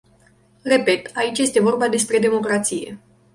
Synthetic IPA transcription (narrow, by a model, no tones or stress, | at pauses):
re̞pe̞t̪ait͡ʃʲje̞st̪e̞vo̞rbad̪e̞spɾe̞d̪e̞mo̞kɾat̪sije̞̰